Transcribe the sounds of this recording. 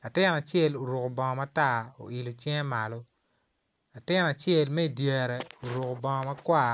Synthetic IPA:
la˨tɪ˦na˨t͡ʃjɛ˦˨lo˨ɾo˨ko˨bɔ˨ŋɔ˨ma˦ta˦˨o̰˨ʔɪ˨lo˨t͡ʃjɛ˦ŋ˦ma˨lo˦ | la˨tɪ˦na˨t͡ʃjɛ˦˨lmɛ˦i˨dje˨ɾɛ˨o˨ɾo˨ko˨bɔ˨ŋɔ˨ma˦kwa˦˨

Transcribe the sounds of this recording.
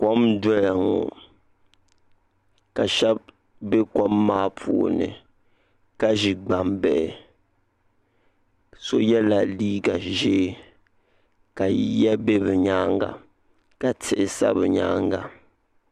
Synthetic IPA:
ko˦mdɔ˦ja˨ŋo̰˨ | ka˨ʃɛ˦b̚ | bɛ˦kɔ˦mːaː˦pʰṵ˨o̰˨nɨ̰˨ | ka˦ʒi˨ɡ͡ba˨mbɛ˨ʔɛ˨ | so˦jɛ˦la˨liː˦ɡa˨ʒeː˦ | ka˨jɛ˦be˦bɨ˨ɲaː˦ŋɡa̰˨ | ka˨tʰɪ˨ʔɪ˨sa̰˦bɨ˨ɲa̰ː˦ŋɡa˨

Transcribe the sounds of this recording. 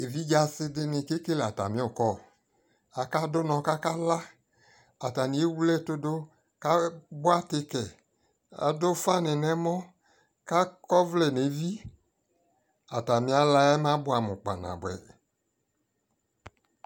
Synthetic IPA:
e˨vi˦d͡ʒa˨sɪ˦dɪ˦nɪ̃˨ke˦ke˦la˨ta̰˨mĩ˦ɔ˨kɔ˦˨ | a˨ka˦dʊ˦nɔ̃˧ka˦ka˦la˦ | a˨ta˨nĩ˨˦e˦wu˦lɛ˦˨tʊ˦dʊ˦ | ka˦bʊ˦a˦tɪ˦kɛ˨ | a̰˨dʊ˦fa˦nɪ˨nɛ˦mɔ̃˦ | ka˦kɔ˦vlɛ˨ne˨˦vi˦ | a˨ta˨mĩ˦a˦la˧ɛ˦m˦ã˦bʊ˦a˨mʊ̰̃˨k͡pa̰˨nã̰˨bʊ˨ɛ̰˨

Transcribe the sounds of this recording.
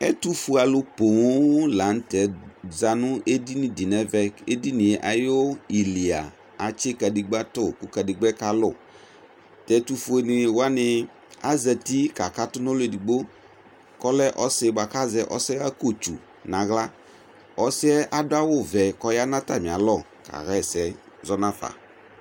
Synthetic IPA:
ɛ˦tu˦fu˦a˨lʊ˦po˨˦la˨˦n̩˦tɛ˨za˦nʊ˦e˦di˦nɪ˨di˨nɛ˦vɛ˦ke˦di˦nɪ˨ʔa˨jo˦i˨li˨a̰˨ | a˨t͡ʃɪ˦ka˨di˨ɡ͡ba˦tʊ˦kʊ˨ka˨di˨ɡ͡bɛ˦ka˨lʊ˨ | tɛ˨˦tu˦fu˨˦e˨nɪ˨wa˦nɪ˨ | a˦zɛ˨ti˦ka˨ka˦tʊ˦nɔ˦le˨di˨ɡ͡bo˦ | kɔ˦lɛ˦ʔɔ˦sɪ˨˦ba˨ka˦zɛ˨ʔɔ̰˦sɪ˦ɣa˦ko˦˨t͡ʃu˨ | nã˨ɣla˦ | ɔ˦sɪ˦ɛ˦ʔa˦dʊ˦a˦wʊ˦˨vɛ˨kɔ˦ja˦nã˦ta˨mɪ̃˨a˨lɔ˦˨ | ka̰˨ɣɛ˦˨sɛ˨ | zɔ˦nã˦θa̰˨

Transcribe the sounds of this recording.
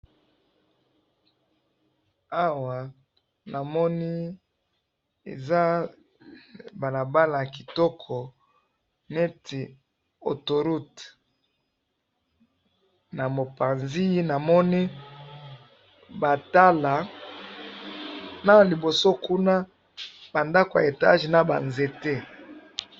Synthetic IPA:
a˦wa˨ | na˨mɔ˦ni˦ | ḛ˨za˦ | ba˨la˨ba˦la˨ki˨tɔ˦kʰɔ˨ | nɛ˦ti˨ | o˨to˨ɾu˦t | na˨mo˨pa˨nzi˦i˦na˨mɔ˦ni˦ | ba˨ta˦la˨ | na˨li˨bo˨so˦ku˦na˦ | b̥a˨nda˦ko˨a̰˨e˨ta̰˦ʒi˨na˨ba̰˨nze˨te˦

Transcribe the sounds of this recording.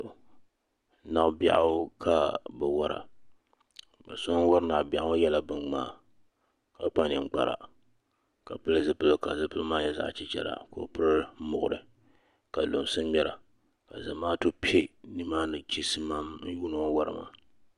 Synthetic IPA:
na˨ʔba̰˦ʔa˦kʰa˨bɨ˨wa˦ɾa̰˨ | ba̰˨sɔ˦wa˦ɾɨ˦na˨ʔba˨ʔa˦jɛ˦la˦bɨ˨ŋma̰ː˦˨ | ka˨˦pa˦nɨ˨m˨ɡ͡ba̰˨ɾa̰˨ | ka˨pɨ˦lɨ˦zɨ˦pɨ˦lɨ˦ka˨zɨ˦pɨ˦maː˦jɛ˦za̰˨ʔt͡ʃi˦t͡ʃɛ̰˨ɾa̰˨ko˨pɨ˦ɾɨ˦mʊ˨ʔʊ˨ɾɨ˨ | ka˨lo˨msɨ˦m˦mɛ˦ɾa˨ | ka˨za˨maː˦to˦pi˦e˦ni˦maː˦nɨ˨t͡ʃi˦sɨ˦ma˦mn̩˦juː˦nɨ˦ŋ˦wa˦ɾɨ˨ma̰˨

